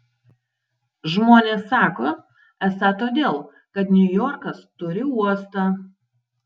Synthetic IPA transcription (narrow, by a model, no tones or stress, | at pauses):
ʒmoːnʲeːsːɑːkoː | ɛsɐt̪oːd̪ʲeːlˠ | kɐt̪nʲʊjɔːɾkɐst̪ʊɾʲɪuɔst̪ɑː